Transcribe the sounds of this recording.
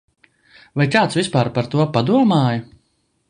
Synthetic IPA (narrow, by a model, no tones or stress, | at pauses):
vajkaːt̪svʲispaːɾpaɾt̪uɔpad̪uɔmaːja